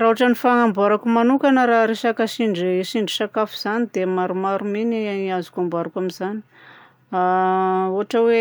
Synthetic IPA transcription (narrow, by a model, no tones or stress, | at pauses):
raɦuaʈ͡ʂanifaŋambaɾakumanukanəɾaɾeʃakaʃiɳɖ͡ʐʃiɳɖ͡ʐisakafuz̥anid̪emaɾumaɾuminiiazu̥kambaɾakʲamizani̥ | auaʈ͡ʂəwe